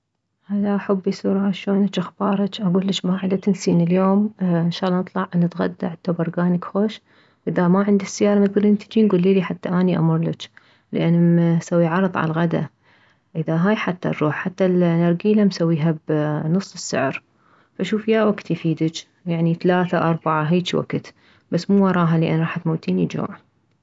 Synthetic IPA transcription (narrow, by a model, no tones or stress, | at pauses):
haðaʔaħʊbːisuːɾˤɑʕaʃoːnat͡ʃʔaxb̥ɑːɾˤɑt͡ʃʔaɡuːlːɪt͡ʃbaːʕɪd̪at̪ɪnsiːnɪljoːmɪnʃɑːɣlːˤɑnɨt̪ˤlɑʕʔnːɪt̪ɣa̰d̪ːa̰ʕat̪ːabɑɾˤɡaːnɪkxoːʃ | ʔɪðamaʕɪnd̪isːɪjːɑːɾˤɑmat̪̚ɡɑɾʔɪnt̪i̥d͡ʒiːnɡuːlːiːliħat̪ːaʔaːniʔa̰mʊɾˤlɪt͡ʃ | lɪʔanːsawːiʕɑɾˤðˤʕa̰laɣad̪a̰ | ʔɪðaɦaːjħat̪ːa̰ɾɾuːħħat̪ːalnɑɾˤɡiːlamsawːiːɦabnɨsˤːɨsːɪ̰ʕɾ | faʔʃuːfjaːwaɡt̪jfiːd̪ɪt͡ʃ | jaʕniθalaːθaʔɑɾˤbaʕaɦiːt͡ʃwa̰ɡt̪ | basːmuːwɑɾˤɑːɦalɪʔa̰nːɾˤɑːħat̪mawt̪iːnid͡ʒo̰ːʕ